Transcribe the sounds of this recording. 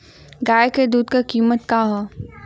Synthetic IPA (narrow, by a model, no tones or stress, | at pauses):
ɡaːjked̪uːd̪kakiːmət̪kaːɦoː